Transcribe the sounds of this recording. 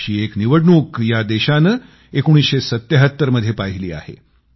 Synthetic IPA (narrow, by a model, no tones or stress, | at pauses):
iːekniʋəɽɳuːkjad̪eɕanə | ekoɽ̃iːsɕesət̪ːjəɦət̪ːəɾməd̪ʱjepaɦiliːa̰hḛ